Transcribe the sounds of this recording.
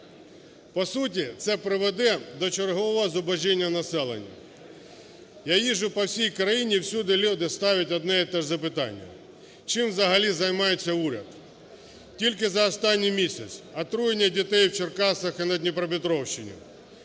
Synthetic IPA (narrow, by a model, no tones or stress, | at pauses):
pɔsutʲit̪sɛpɾɪʋed̪ɛd̪ɔt͡ʃerɦɔʋɔɦɔzɔbɐʒinʲːɐnɐsɛlˠḛnʲːɐ̰ | jajiʒʊpɔwsʲijkɾɐjinʲiwsʲud̪ɪlʲud̪ɪst̪ɑʋʲɐtʲɔd̪nɛjit̪ɛʒzɐpɪt̪ɑ̰nʲːɐ̰ | t͡ʃɪmwzɐɦɐlʲizɐjmɑjet͡sʲːɐuɾʲɐ̰d̪ | tʲilʲk̬ɪzɐɔst̪ɑnʲːijmʲisʲɐt͡s̪ʲsʲɐt̪ɾujenʲːɐdʲit̪ɛjwt͡ʃerkɑsɐxɪnɐd̪ʲnʲipɾɐbʲɪt̪ɾɔwʃt͡ʃɪnʲḭ